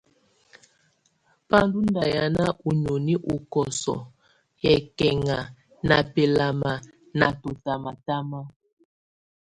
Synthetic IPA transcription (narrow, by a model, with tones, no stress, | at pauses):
pa˦ndu˦nda˨ja˦na˦ʔu˨ɲo˨ni˦ʔu˨kɔ˨sɔ̰˨ | jɛ˨kɛ˨ŋa˨ | na˨pɛ˨la˨ma˨ | na˨to˨ta˨ma˨ta˦ma˦